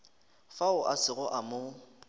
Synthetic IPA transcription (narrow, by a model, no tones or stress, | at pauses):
faʊʔasɪɣʊʔamʊ